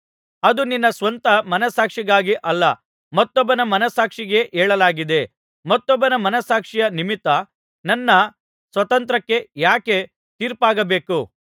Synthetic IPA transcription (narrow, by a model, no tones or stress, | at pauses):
ɐd̪uninːɐsʋɐnt̪ɐmɐnɐsaːkʂiɡaːɡiʔɐlːɐ | mɐt̪ːɔbːɐnɐmɐnɐsaːkʂiɡe̞ʔɛːɭɐlaːɡid̪e̞ | mɐt̪ːɔbːɐnɐmɐnɐsaːkʂijɐnimit̪ːɐ | nɐnːɐ | sʋɐt̪ɐnt̪̬ɾɐkːe̞jaːke̞ | t̪iːɾpaːɡɐbe̞ːku